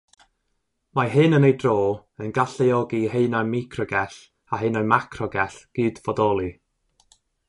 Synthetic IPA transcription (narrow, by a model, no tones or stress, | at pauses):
maɦɨnənejdroːənɡaɬɛɔɡiheɨnamikʰrɔɡɛɬ | aɦenamakʰrɔɡɛɬɡ̥ɨdvɔdɔlˠi